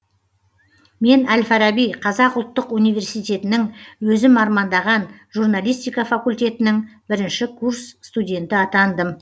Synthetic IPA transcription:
me̞nælfɑɾabijqʰɑzɑqʊlˠt̪ːəqunijve̞ɾsijt̪ʲe̞t̪ɪnɪŋwɵzɪmɑɾmɑnd̪ɑʁɑnʒurnalʲijst̪ijkɑfakulʲt̪ʲe̞t̪ɪnɪŋbɪɾɪnʃɪkʰursst̪udʲe̞nt̪ɪɑt̪ɑnd̪əm

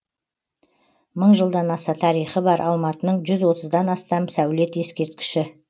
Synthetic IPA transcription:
məɴʒəlˠd̪ɑnɑsɑt̪ʰɑɾijχəbɑɾʔɑlˠmɑt̪ənəɴʒʏzwo̞t̪əzd̪ɑnɑst̪ɑmsæwle̞t̪je̞skʲe̞ɾt̪kʲɪ̥ʃɪ

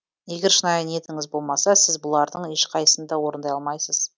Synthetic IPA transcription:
je̞ɡʲe̞ɾʃənɑjəne̞t̪ɪŋɪzbo̞lˠmɑsɑsɪzbʊlˠɑɾd̪əɴe̞ʃqʰɑjəsənd̪ɑwo̞ɾənd̪ɑjɑlˠmɑjsəz̥

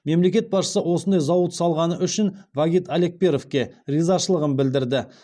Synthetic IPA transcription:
me̞mle̞kʲe̞t̪̚bɑsʃə̥səwo̞sənd̪ɑjzɑwət̪sɑlˠʁɑnəʔʏʃɪnvaɡʲit̪ale̞k̚pe̞ɾofkʲe̞rizɑʃəlˠəʁənbɪld̪ɪɾd̪ɪ

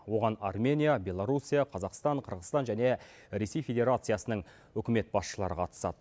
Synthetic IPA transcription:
wo̞ʁɑnarmʲe̞nʲijabʲe̞lˠaɾusʲijaqʰɑzɑqst̪ɑɴqʰəɾʁəzt̪ɑnʒæne̞ | ɾe̞se̞jfʲe̞dʲe̞ɾat̪sɨjasənəɴ | wʏkʲɪme̞t̪̚bɑsʃəlˠɑɾəqʰɑt̪ə̥sɑ̰d̪ə

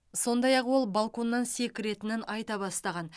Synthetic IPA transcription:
so̞nd̪ɑjɑqwo̞lˠbalˠko̞nːɑnse̞kʲɪɾe̞t̪ɪnɪnɑjt̪ɑbɑst̪ɑʁɑn

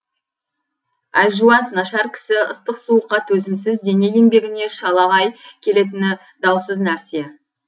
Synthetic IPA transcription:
ælʲʒuɑnsnɑʃɑɾkʲʰɪ̥sɪə̰st̪əqsuəqːɑt̪ʰɵzɪmsɪzd̪e̞ne̞j̪e̞ŋbe̞ɡʲɪne̞ʃɑlˠɑʁɑjkʲʰe̞le̞t̪̬ɪnɪ | d̪ɑwsəznæɾse̞

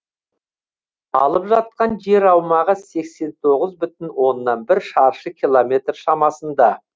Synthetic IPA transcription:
ɑ̰lˠəpʒɑt̪̚qɑnʒe̞ɾɑwmɑʁəse̞kse̞nt̪ʰo̞ʁəzbʏt̪ɪnwo̞nːɑnbɪɾʃɑɾʃəkʲʰilˠomʲe̞t̪rʃɑmɑsənd̪ɑ

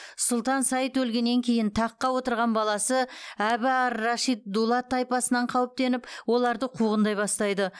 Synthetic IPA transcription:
sʊlˠt̪ɑnsɑjət̪wɵlɡʲe̞nːe̞ŋkʲʰe̞jɪnt̪ʰɑqːɑwo̞t̪əɾʁɑnbɑlˠɑsəæbɪɑɾːɑʃijt̪̚d̪ulˠɑt̪ʰːɑjpɑsənɑɴqʰɑwəp̚t̪e̞nɪpwo̞lˠɑɾd̪əqʰuʁənd̪ɑjbɑst̪ɑjd̪ə

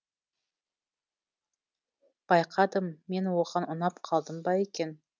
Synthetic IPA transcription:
b̥ɑjqʰɑd̪əmːe̞nwoʁɑnʊnɑpqʰɑlˠd̪əmbɑe̞kʲe̞n

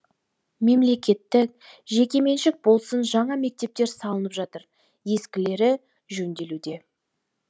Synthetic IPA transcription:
me̞mle̞kʲe̞t̪ːɪk̚ʒe̞kʲe̞me̞nʃɪk̚bo̞lˠsənʒɑɴɑme̞k̚t̪e̞p̚t̪e̞ɾsɑlˠənəpʒɑt̪əɾ | je̞skʲɪle̞ɾɪ | ʒɵnd̪e̞lud̪e̞

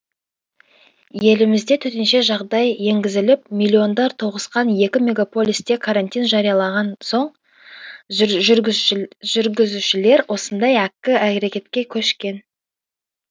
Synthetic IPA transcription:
je̞lɪmɪzd̪e̞t̪ʰɵt̪ɪnʃe̞ʒɑʁd̪ɑjːe̞ŋɡʲɪzɪlɪp̚milʲːio̞nd̪ɑɾt̪ʰo̞ʁəsqɑnje̞kʲɪmʲe̞ɡapo̞lʲist̪e̞kʰaɾant̪ijnʒɑɾijɑlˠɑʁɑnso̞ɴ | ʒ | ʒʏɾɡʲɪzuʃɪle̞ɾwʔo̞sənd̪ɑjækʲːɪækʲeɾe̞kʲe̞t̪kʲe̞kʲʰɵʃkʲe̞n

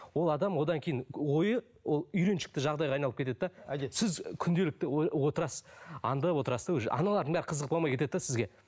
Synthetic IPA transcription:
wo̞lˠɑd̪ɑmwo̞d̪ɑŋkʲʰe̞jɪnwo̞jə | wolˠʏjɾe̞nʃɪ̥k̚t̪ɪʒɑʁd̪ɑjʁɑjnɑlˠəpkʲʰt̪e̞d̪d̪ɑsɪzkʲʰʏnd̪e̞lɪk̚t̪ɪwo̞t̪əɾɑsɑ̰nd̪əwo̞t̪əɾɑsd̪ewʒ̰ʔɑ̰nɑlˠɑɾd̪əɴbæɾɪqʰəzəq̚bomɑjkʰʲe̞t̪e̞d̪d̪sɪzɡʲe̞

